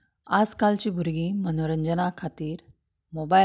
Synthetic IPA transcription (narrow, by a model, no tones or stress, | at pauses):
ad͡zkalt͡ɕiːbʱuɾɡiːmənoɾəɲd͡ʑənakʰat̪iːɾ | moba